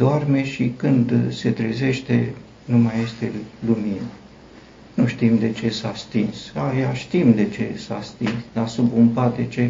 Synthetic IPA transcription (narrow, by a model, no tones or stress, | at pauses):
d̪̥oarme̞ʃikɨnd̪se̞t̪ɾeze̞ʃt̪e̞ | numaje̞st̪e̞luminə | nuʃt̪imd̪e̞t͡ʃe̞sast̪insajaʃt̪imd̪e̞t͡ʃe̞̰sast̪insd̪asubumpad̪et͡ʃe̞